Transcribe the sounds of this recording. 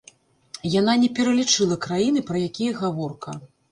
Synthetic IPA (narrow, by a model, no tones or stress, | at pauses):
jan̪anʲɛpʲɛɾɐlʲit͡ʂɨlˠɐkɾajinɨpɾɐjakʲijɐɣavɔrkɐ